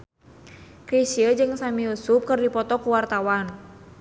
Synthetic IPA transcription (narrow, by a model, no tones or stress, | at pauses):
kɾisiəd͡ʒɨŋsamiusup̚kɨrdipɔt̪ɔkuwart̪awan